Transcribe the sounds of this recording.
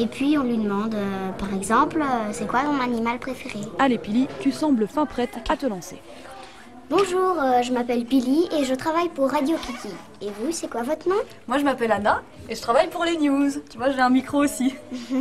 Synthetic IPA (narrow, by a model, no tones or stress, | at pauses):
epɥiɔ̃lɥid̪əmɑ̃d̪øpaʁɛɡzɑ̃pløsɛkwat̪ɔ̃nanimalpχefeʁealepilit̪ysɑ̃bləfɛ̃pχɛt̪at̪əlɑ̃se | bɔ̃ʒuːʁøʒəmapɛlpilieʒət̪χavajpuʁːad̪jokʲit̪ʰi | evusɛkwavɔt̪χnɔ̃ | mwaʒəmapɛlana | eʒət̪χavajpuʁlenjuzt̪yvwaʒeɛ̃mikχoosi